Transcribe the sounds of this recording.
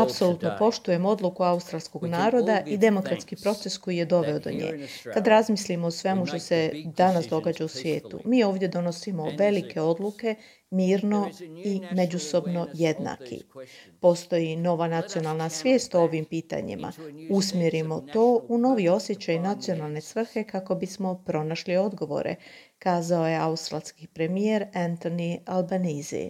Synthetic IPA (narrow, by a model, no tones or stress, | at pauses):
apso̞lˠut̪no̞po̞ʃt̪uje̞mo̞d̪lˠukuaust̪ɾalʲsko̞ɡnaːɾo̞d̪aʔid̪e̞mo̞kɾat̪skipɾo̞t̪sesko̞jije̞d̪o̞ʋe̞od̪o̞̰ɲḛːkad̪ɾazmislimoosʋe̞muʃt̪o̞se̞d̪anasd̪o̞ɡaːd͡ʑausʋje̞ːt̪ṵmiːo̞ːʋd̪ʲje̞d̪o̞no̞simo̞ʋe̞likʰe̞o̞d̪luke̞ | miːɾno̞ime̞d͡ʒuso̞bno̞je̞d̪na̰ːkʰḭpo̞st̪o̞jino̞ʋanat̪sio̞nalˠnasʋje̞ːst̪ooʋimpiːt̪a̰ɲḭmʔa̰usmjeɾimo̞t̪o̞ːuno̞ʋio̞sje̞t͡ɕajnat̪sijo̞nalˠne̞sʋr̩xe̞kako̞bismo̞pɾo̞naʃlio̞d̪ɡo̞ʋo̞̰ɾḛ | kaːzao̞je̞aust̪ɾalskipɾe̞mieɾant̪o̞nialbanizḭ